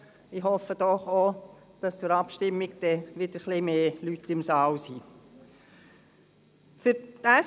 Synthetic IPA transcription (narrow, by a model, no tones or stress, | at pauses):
ɪɦɔfəd̥̪ɔχo | d̥ɑst͡sʊɾɑpʃtɪmːiɡd̥̪ɛʋɪd̥̪əɾχlɪmeːlytɪmsɑːwsi | fʏɾtæ